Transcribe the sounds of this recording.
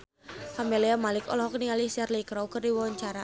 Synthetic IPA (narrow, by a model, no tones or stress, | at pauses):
fameliamalɪkɔlɔhɦɔk̚niŋalisɛrlikɾɔwkɨrdiwɔwaɲt͡ʃaɾa